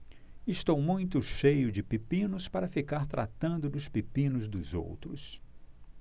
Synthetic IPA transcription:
ɪst̪owmũj̃t̪ʊʃejʊd͡ʒɪpipĩnʊspaɾɐfikaɾt̪ɾa̰t̪ɐ̃nd̪ʊd̪ʊspipĩnʊzd̪ʊzo̰wt̪ɾʊs

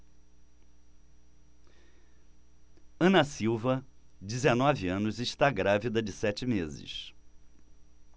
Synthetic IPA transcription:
ɐ̃nɐsiwvɐd͡ʒɪzenɔvɪɐ̃nʊzɪʃt̪aɡɾavid̪ɐd͡ʒɪsɛt͡ʃɪmezɪ̰s

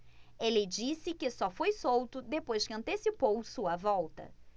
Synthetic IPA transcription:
elɪd͡ʒisɪkɪsɔfojsowt̪ʊd̪epojʃkɪɐ̃nt̪esipowsuɐvɔwt̪ɐ̰

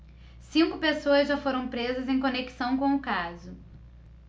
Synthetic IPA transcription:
sĩŋkʊpesoɐzʒafoɾɐ̃w̃pɾezɐzẽj̃koneki̥sɐ̃w̃kõw̃ʊkazʊ

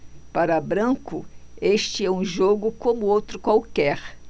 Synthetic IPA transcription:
paɾɐbɾɐ̃kʊ̰eʃt͡ʃɪɛũʒoɡʊkõmʊowt̪ɾʊkwawkɛɾ

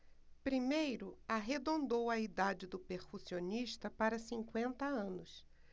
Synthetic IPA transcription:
pɾimejɾʊaɦed̪õnd̪owɐid̪ad͡ʒɪd̪ʊpeɾkusioniʃt̪ɐpaɾɐsĩŋkwẽnt̪ɐɐ̃nʊs

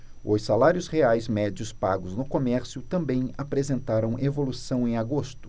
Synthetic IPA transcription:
ʊssalaɾjʊsheajzmɛd͡ʒjʊspaɡʊznʊkomɛɾsjʊt̪ɐ̃mbẽj̃apɾezẽnt̪aɾɐ̃w̃evolusɐ̃w̃ẽj̃aɡost̪ʊ̥

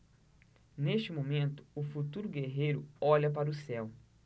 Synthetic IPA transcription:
neʃt͡ʃɪmomẽnt̪ʊ̥ːfut̪uɾʊɡeɦejɾʊɔʎɐpaɾʊsɛw

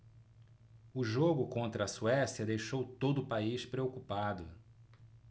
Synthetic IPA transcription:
ʊʒoɡʊkõnt̪ɾɐːsuɛsjɐd̪ejʃowt̪od̪ʊpaiʃpɾeokupad̪ʊ

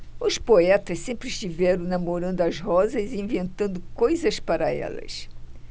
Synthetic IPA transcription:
ʊspoɛt̪ɐssẽmpɾɪʃt̪ivɛɾɐ̃w̃namoɾɐ̃nd̪ʊɐzɦɔzɐziĩvẽnt̪ɐ̃nd̪ʊkojzɐspaɾɐɛ̰lɐ̰s

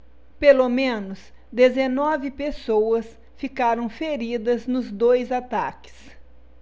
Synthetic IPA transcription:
pelomẽnʊs | d̪ezenɔvɪpesowɐs | fikaɾɐ̃w̃feɾid̪ɐznʊzd̪ojzat̪a̰kɪ̥s

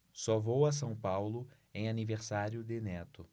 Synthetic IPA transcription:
sɔvowɐs̬ɐ̃w̃pawlʊ | ẽj̃aniveɾsaɾjʊd̪ɪnɛt̪ʊ

